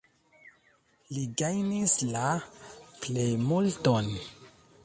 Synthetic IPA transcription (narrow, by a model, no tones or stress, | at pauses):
liɡajnisla | plejmulton